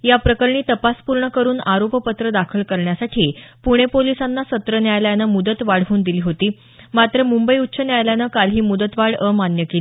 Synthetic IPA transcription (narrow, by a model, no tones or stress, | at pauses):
japɾəkəɾɳ̃iːt̪əpaspuɾɳəkəɾuːnaɾoppət̪ɾəd̪akʰəlkəɾɳjasaʈʰiːpuɽ̃epolisanːasət̪ɾənjajljanəmud̪ət̪ʋaɽ̤ʋuːnd̪iliːɦot̪iː | mat̪ɾəmumbəiut̪ːɕʰənjajljanəkalɦiːmud̪ət̪ʋaɽəmanjəkeliː